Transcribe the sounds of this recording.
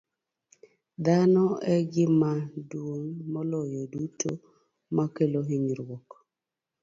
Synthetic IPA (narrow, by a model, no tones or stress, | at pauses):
d̪anɔɛɡɪmadwoŋmɔlɔjɔdutʰo̰ | makeloɦiɲɾwɔk